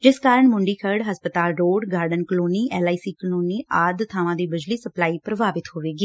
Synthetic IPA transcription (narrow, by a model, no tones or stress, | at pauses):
d͡ʒɪskaːɾəɳmʊ̃ɳɖiːkʰəɾɖɦəspət̪aːlɾoːɖɡaːɾɖənkəloːniːʔɛːlaːiːsiːkəloːniːaːd̪t̪ʰaːʋãːd̪iːbɪd͡ʒliːsəplaːiːpɾəbaːbɪt̪ɦoːʋeːɡiː